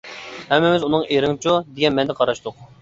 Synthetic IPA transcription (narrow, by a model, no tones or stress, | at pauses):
hɛmːɪmɪzunɨŋeɾɪŋt͡ʃʰud̪eɡʲɛnmɛnd̪ɛqʰɑɾɑʃt̪ʊq